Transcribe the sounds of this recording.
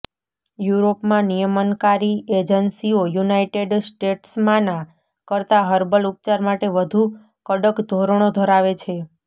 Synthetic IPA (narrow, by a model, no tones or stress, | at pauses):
juɾopmãnijəmənkaɾied͡ʒənsiojunaiʈeɖsʈeʈsmãnã | kəɾt̪aɦəɾbəlup̚t͡ʃaɾmaʈeʋəd̪ʱu | kəɖəkd̪ʱoɾəɳ̃od̪ʱəɾaʋet͡ʃʰe